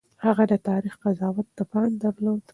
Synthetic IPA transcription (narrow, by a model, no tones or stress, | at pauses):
haɣad̪ət̪ɑɾixqazɑwat̪̚d̪əpɑnd̪aɾlod̪̥